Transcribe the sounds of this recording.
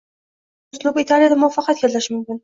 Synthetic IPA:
ʊslˠʊbit̪ʰalˠjad̪amʊɑfɑqʰɑt̪ɡʲallaʃmʊmkʲɪn

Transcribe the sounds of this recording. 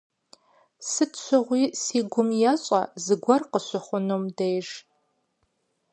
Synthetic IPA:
sɨtʰɕʰʷɨʁʷiːsiːɡʷʊmjɛɕʼɐ̰zɨɡʷɐrqəɕʷɨχʷʊnomdejʒ

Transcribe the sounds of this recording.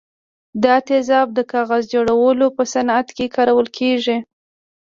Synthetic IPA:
d̪ɑt̪ezɑb̚d̪əkɑɣazd͡ʒoɽawəlopəsanat̪kekʰɑɾawəlkʰeʒi

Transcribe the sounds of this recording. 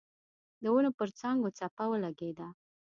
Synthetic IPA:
d̪əwunopəɾt͡saŋɡot͡sapawəlaɡed̪a

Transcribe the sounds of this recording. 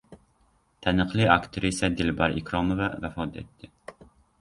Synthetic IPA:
t̪ʰɛnəqlˠɨɑkt̪ʰɾisɛd̪ɪlbɑɾikɾomovɑvɛfɑd̪ɛ̰t̪ʰːɪ

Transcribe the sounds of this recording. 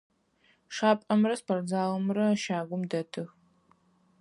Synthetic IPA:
ʂaːpʼɐmrɐspʰɐrd͡zaːlɐmrɐʃaːɡʷʊmdɐtʰɨx

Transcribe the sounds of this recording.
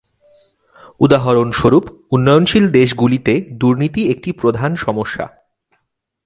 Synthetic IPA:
ud̪aɦoɾonʃoɾup | unːɔjonʃild̪eʃ̬ɡulit̪ed̪uɾnit̪iek̚ʈipɾod̪ʱanʃɔmoʃːa̰

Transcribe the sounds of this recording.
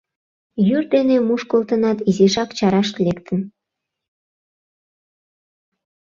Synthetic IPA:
jyrd̪enemuʃkolt̪ənɑt̪iziʒɑkt͡ɕɑɾɑʃt̪lekt̪ən

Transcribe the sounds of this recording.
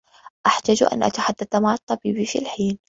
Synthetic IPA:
ʔaħt̪aːd͡ʒ̰ʔa̰nʔa̰t̪aħad̪ːaθamaʕt̪ˤːɑbiːbifḭlħiːn

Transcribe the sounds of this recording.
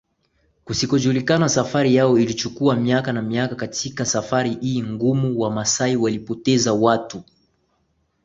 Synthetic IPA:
kusikɔʄulikanasafaɾijaɔilit͡ʃukuamiakanamiakakatʰikasafaɾihiːŋɡumuwamasaiwalipɔtɛzawatu

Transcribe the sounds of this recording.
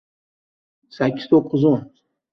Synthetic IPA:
sakʲːɪ̥z̥t̪ʰoqːɨzon

